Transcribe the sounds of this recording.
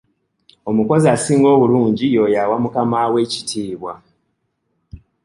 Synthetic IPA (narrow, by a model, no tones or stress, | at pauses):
o̞muko̞ziasiːŋɡo̞ːβuluːɲɟijo̞jawamukamawe̞ci̥tʰiːβwa